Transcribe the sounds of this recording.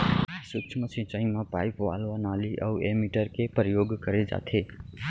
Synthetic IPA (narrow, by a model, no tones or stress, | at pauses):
sukt͡ʃʰməsĩt͡ʃəĩŋmãpaipwa̰lʋanaliʔa̰uʔemiʈəɾkepɾəjoɡkəɾed͡ʒa̰t̪ʰe